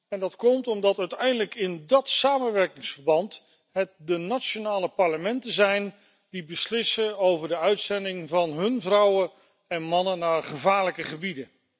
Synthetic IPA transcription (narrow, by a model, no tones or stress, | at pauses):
ɛndɑtkɔmtɔmdɑtœɥtɛjndələkɪndɑtsaːmənʋɛɹkɪŋsfəɹbɑnt | ɦət̚dənat͡ʃonaːləpɑɹləmɛntəzɛjn | d̥ibəslɪsəowvəɹdəœɥtsɛndɪŋvɑnɦɵnvrʌwə | ɛnmɑnənːaːɹχəvaːɹləkəχəbidə